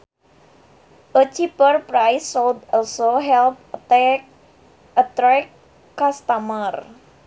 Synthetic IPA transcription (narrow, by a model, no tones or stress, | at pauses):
ʔət͡ʃipərpɾajsoldɔlsoɦɛlp̚ətɛk | ət̪ɾɛkː | ast̪amər